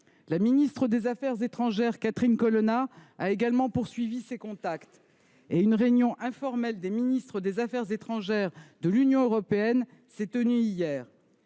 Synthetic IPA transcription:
laminist̪χəd̪ezafɛʁzet̪χɑ̃ʒɛʁkat̪χinkɔlɔnaaeɡalmɑ̃puʁsɥivisekɔ̃t̪akt̪ | eynʁeynjɔ̃ʔɛ̃fɔʁmɛld̪eminist̪χəd̪ezafɛʁzet̪χɑ̃ʒɛʁd̪əlynjɔ̃øʁɔpeɛn | sɛt̪ənyijɛːʁ

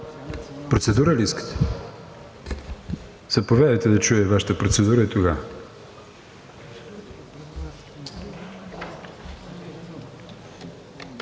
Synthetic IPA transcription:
pɾot̪sɛd̪uɾəliiskə̥t̪ɛ̥ | z̥ɐpovʲjad̪əjt̪ɛd̪ɐt͡ʃujɛvaʃə̥t̪əpɾot̪sɛd̪uɾəit̪oɡa

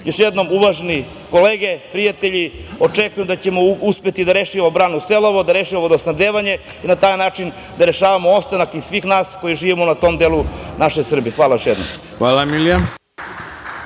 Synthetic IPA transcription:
joʃjed̪no̞muʋaʒeni | ko̞leːɡe̞pɾijat̪eʎio̞t͡ʂekujemd̪at͡ɕe̞mo̞uspe̞t̪id̪aɾeʃiobɾaːnuselˠoʋod̪aɾe̞ːʃiʋaʋod̪osnad̪eːʋaɲe̞ | inat̪aːjnaːt͡ʃin | d̪aɾe̞ʃaːʋamoost̪anakisʋiːxnaːsko̞jiʒiːʋimonat̪o̞md̪e̞ːlˠunaʃejsr̩bixʋaːlajo̞ʃjed̪no̰m | xʋaːlamilja

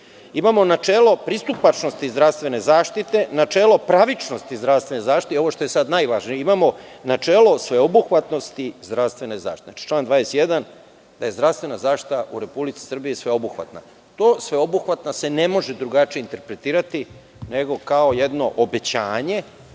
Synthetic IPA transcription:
imamo̞nat͡ʃeːlo̞pɾist̪upat͡ʃno̞st̪izd̪ɾafst̪ʋe̞ne̞zaːʃt̪it̪e̞nat͡ʃeːlo̞pɾaʋit͡ʃnost̪izd̪ɾaʋst̪ʋene̞zaːʃt̪it̪eo̞ʋo̞ʃt̪o̞je̞sad̪najʋaʒnieimamo̞nat͡ʃe̞ːlo̞sʋe̞obuxʋat̪no̞st̪izd̪ɾast̪ʋe̞neza̰ʃti̥t̪enat͡ʃi̥t͡ʃlaːnd̪ʋaːjesjed̪an | d̪aje̞zd̪ɾafst̪ʋe̞nazaːʃt̪i̥t̪aʔuɾe̞publit̪si̥sr̩bijisʋe̞obuxʋa̰t̪na̰ | t̪oːsʋe̞obuxʋat̪nase̞ne̞mo̞ʒed̪ɾuɡat͡ʃijeint̪e̞ɾpɾe̞t̪iːɾat̪i | ne̞ɡo̞kaoje̞d̪no̞ʔobe̞t͡ɕaːɲe̞

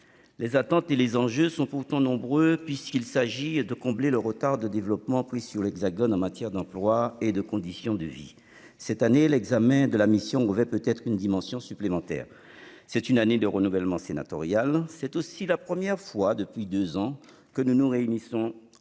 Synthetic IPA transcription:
lezat̪ɑ̃t̪elezɑ̃ʒøsɔ̃puʁt̪ɑ̃nɔ̃bʁøpɥiskilsaʒid̪əkɔ̃bleləʁət̪aʁd̪əd̪evlɔpmɑ̃pχisyʁlɛɡzaɡɔnɑ̃mat̪jɛʁd̪ɑ̃plwaed̪əkɔ̃d̪isjɔ̃d̪əvḭ | sɛt̪anelɛɡzamɛ̃d̪əlamisjɔ̃əvɛpøt̪ɛt̪χynd̪imɑ̃sjɔ̃syplemɑ̃t̪ɛ̰ːʁ | sɛt̪ynaned̪əʁənuvɛlmɑ̃sena̰t̪ɔ̰ʁjalsɛt̪osilapχəmjɛʁfwad̪əpɥid̪øzɑ̃ | kənunuʁeynisɔ̃

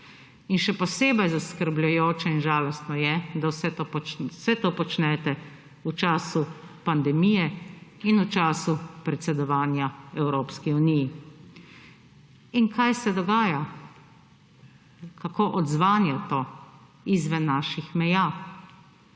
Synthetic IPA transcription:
inʃɛpɔseːbɛjzaskəɾblajoːt͡ʃɛinʒaːlɔst̪nɔjɛd̪awsɛt̪osɛt̪oːpɔt͡ʃnɛt̪ɛ | ut͡ʃaːsupand̪ɛmijɛinut͡ʃaːsupɾɛt̪sɛd̪ɔʋaːnjaɛwɾoːpskiuniji | inkʰajsɛd̪ɔɡaːja | kakoːʔɔd̪zʋaːnjɛt̪o | izʋɛnːaːʃixmɛjaː

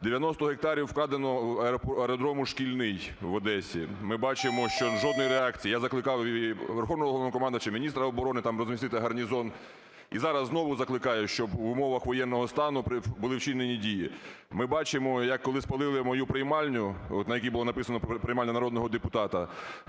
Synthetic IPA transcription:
d̪eʋʲjɐnɔst̪ɔɦek̚t̪ɑɾʲiwk̪ˠɑd̪enɔpeɾɔd̪ɾɔmʊʃkʲilʲnɪjʋɐd̪ɛsʲḭmɪbɑt͡ʃɪmɔʃt͡ʃɔʒɔd̪nɔjɾeɑkt͡sʲijijazɐklˠɪkɑwʲʋerxɔʋnɔɦɔɦˠnɔkɔmɑnd̪ɐt͡ʃɐmʲinʲist̪ɾɐɔbɔɾɔnɪt̪ɑmrɔzmʲist̪ɪt̪ɪɦɐrnʲizɔn | izɑɾɐzːnɔʋʊzɐklˠɪkɑjʊʃt͡ʃɔbʊmɔʋɐxʋɔjɛnːɔɦɔst̪ɑnʊpɾɪbʊlˠɪwt͡ʃinenʲidʲiji | mɪbɑt͡ʃɪmɔjɐkːɔlˠɪspɐlˠɪlˠɪmɔjupɾejmɑlʲnʲʊɔt̪nɐjɐkʲijbʊlˠɔnɐpɪsɐnɔpɾejmɑlʲɐnɐɾɔd̪nɔɦɔd̪epʊt̪ɑt̪ɐ

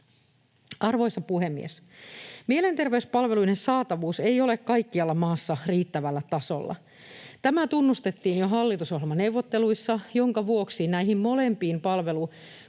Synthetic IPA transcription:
ɑrʋo̞jsɑpuhe̞mːḭes | miele̞nt̪erʋeyspɑlʋeluinensɑːt̪ɑʋuːsejo̞le̞kkɑjkːiɑlːɑmɑːsːɑriːt̪ːæʋælːæt̪ɑso̞̰lːɑ̰ | t̪æmæt̪unːust̪et̪ːiːnjoɦɑlːit̪usoɦemɑne̞wʋot̪ːe̞luisːɑjo̞ŋkɑʋuo̞ksinæiɦimmo̞lempiːmpɑlʋe̞lu

